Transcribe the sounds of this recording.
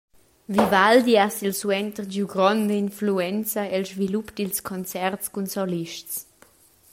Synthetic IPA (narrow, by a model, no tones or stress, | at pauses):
vivald̪iasilswɛnt̪əʁd͡ʒuɡɾɔnd̪əinfluɛnt͡saɛlzvilupd̪ilskʰɔnt͡sɛrtskunsɔliʃtt͡s